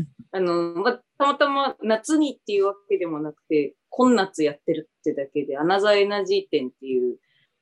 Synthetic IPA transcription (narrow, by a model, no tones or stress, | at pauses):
ano̞mat̪amat̪amanat͡sɨɲ̟it̪ːe̞jɯ̟ːβake̞d̪e̞mo̞nakɯ̟̥t̪e̞ | kʰõ̞nːat͡sɨjat̪ːe̞ɾɯ̟t̪ːed̪ake̞d̪e̞anazaenaʑiːt̪ẽ̞nt̪ːe̞jɯ̟ː